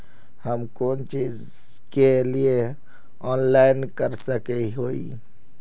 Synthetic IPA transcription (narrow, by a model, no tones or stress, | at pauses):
həmkoːnt͡ʃiːz | kelie | ɔːnlaːɪnkəɾsəkeɦoːḭ